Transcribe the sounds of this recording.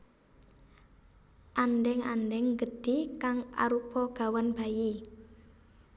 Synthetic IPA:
ʔanɖɛŋa̰ndɛŋɡə̤d̪̥i̤kaŋa̰ɾupɔɡ̥a̤wanb̥aji

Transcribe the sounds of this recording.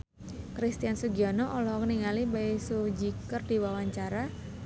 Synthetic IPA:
kɾist̪iansuɡiɔnɔʔɔlɔɦɔkəniŋalibaisud͡ʒikərdiwawaɲt͡ʃaɾa

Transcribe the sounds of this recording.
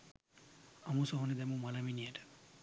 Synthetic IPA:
ɐmusoɦoned̪ɛmumɐlɐminieʈə̥

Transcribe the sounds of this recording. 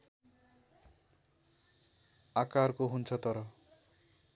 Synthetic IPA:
akarkoɦunt͡sʰʌt̪ʌɾʌ

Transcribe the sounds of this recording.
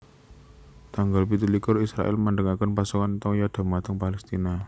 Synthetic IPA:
t̪aŋɡalpit̪ulikʊrisɾa̰ʔɪ̰lməɳɖəŋakənpasukant̪ɔŋjad̪̥a̤mat̪əŋpalɛst̪ina

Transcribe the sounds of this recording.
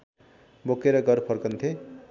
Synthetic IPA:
bokeɾʌɡʌɾpʰʌrkʌnt̪ʰe

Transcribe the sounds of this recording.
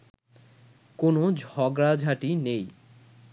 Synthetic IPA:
konod͡ʑʱɔɡɾad͡ʑʱaʈinej

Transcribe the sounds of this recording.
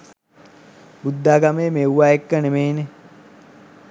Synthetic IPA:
bud̪ːaːɡameːmewʋaːekːənemeːne

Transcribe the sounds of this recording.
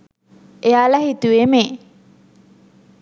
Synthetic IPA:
ʔeaːlɐɦit̪uʋeme

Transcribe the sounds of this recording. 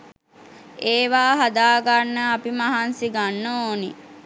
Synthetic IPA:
eːʋaːɦad̪aːɡanːəapimaɦansiɡanːəoːni

